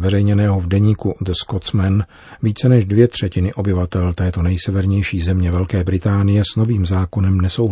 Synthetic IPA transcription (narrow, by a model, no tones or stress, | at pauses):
vɛɾɛjɲɛnɛːɦo̞vdɛɲiːkud̪skot̪t͡smɛn | viːt͡sɛnɛʃdvjɛt̪r̝̥ɛcɪnɪʔo̞bɪvat̪ɛlt̪ɛːt̪o̞nɛjsɛvɛɾɲɛjʃiːzɛmɲɛvɛlkɛːbɾɪt̪aːnɪjɛsno̞viːmzaːko̞nɛmnɛsowɦ